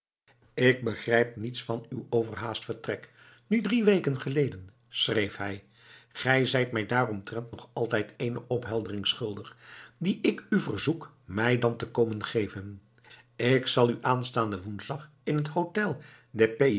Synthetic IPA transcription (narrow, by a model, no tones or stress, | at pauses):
ɪɡ̚bəχrɛjp̚nitsfɑnywowvəɹɦaːstfəɹtrɛk | nydriʋejkənχəlejdən | srejfɦɛj | χɛjzɛjtmɛjdaːrɔmtrɛntnɔχɑlˠtɛjtʰejnəʔɔpɦɛlˠdərɪŋsχɵlˠdəχdiʔɪkyvərzuk | mɛjdɑntəkowmənχejvən | ɪksɑlˠyʔaːnstaːndəʋunzdɑχ | ɪnɦətɦowtɛlˠ | dɛpe